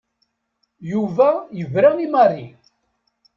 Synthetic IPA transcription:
juvæjəvɾaimɑrːi

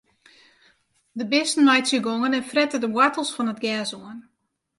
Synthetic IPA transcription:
dəbɪstn̩mɛjsjəɡoŋənɛnfrɛtədəwatəlˠsfɔnətɡɛsuən

